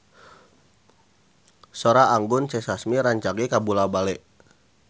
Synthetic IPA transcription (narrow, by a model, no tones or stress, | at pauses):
soɾaːŋɡʊnt͡ʃɛsasmiɾaɲt͡ʃaɡɛkabulabalɛʔ